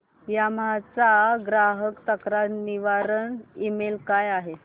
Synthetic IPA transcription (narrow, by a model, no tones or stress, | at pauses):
jamat͡saɡɾaɦəkt̪əkɾaɾniʋaɾəɳimelkajaɦe